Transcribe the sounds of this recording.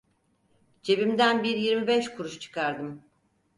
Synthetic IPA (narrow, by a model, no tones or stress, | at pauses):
d͡ʒʰe̞bimd̪ænbiɾjiɾmibɛʃkʰuɾuʃt͡ʃʰɯ̥kʰaɾd̪ɯm